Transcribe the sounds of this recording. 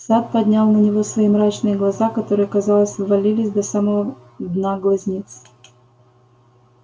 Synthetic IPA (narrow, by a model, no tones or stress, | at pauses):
sat̪̚pɐdʲnʲalˠnənʲɪvo̞svɐimɾat͡ɕnɨjəɡlˠɐzakɐt̪o̞ɾɨjəkɐzɑlˠəsʲvɐlʲilʲɪsʲd̪ɐsaməvə | d̪naɡlˠɐzʲnʲit̪s